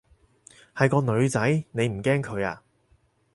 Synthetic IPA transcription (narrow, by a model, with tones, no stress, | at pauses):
hɐ˨jkɔː˧nɵ˨˧ɥt͡sɐ˨˥jne˨˧jm̩˨˩kɛː˥ŋkʰɵ˨˧ɥa̰ː˧